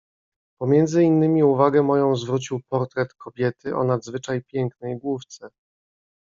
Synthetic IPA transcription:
pɔmʲjɛnd̪zɘinːɘmʲiuvaɡɛmɔjɔ̃w̃zvɾut͡ɕiwpɔɾt̪ɾɛt̪kɔbʲjɛt̪ɘʔɔ̰nad̪zvɘt͡ʂajpʲjɛŋknɛjɡwuft̪sɛ

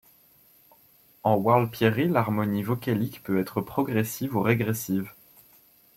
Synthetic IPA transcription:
ɑ̃waʁl̚pjeʁilaʁmɔnivɔkalikpøɛt̪χəpχɔɡʁɛsivuʁeɡʁɛsiv

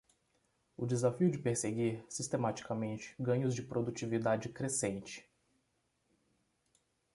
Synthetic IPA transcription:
ʊd͡ʒɪzafiʊd͡ʒɪpeɾseɡiɾsist̪emat͡ʃi̥kamẽnt͡ʃɪ̥ɡɐ̃ɲʊzd͡ʒɪpɾʔod̪ut͡ʃivid̪ad͡ʒɪkɾesẽnt͡ʃɪ̥

